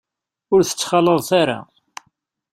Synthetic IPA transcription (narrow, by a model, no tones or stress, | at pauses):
ʊɾθə̥t͡sːχɑlːəðˤθaɾa̰